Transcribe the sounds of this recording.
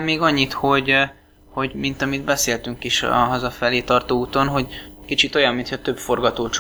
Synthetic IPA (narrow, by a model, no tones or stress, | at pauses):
meːɡɒɲːit̪ho̞ɟ | ho̞ɟmint̪ɒmid̪bɛseːlt̪yŋkiʃɒ̰ɦɒzɒfɛleːt̪ɒrt̪oːuːt̪o̞nɦo̞ɟkit͡ʃit̪o̞jɒmːint̪ʰɛt̪ø̞bfo̞rɡɒt̪oːt͡ʃ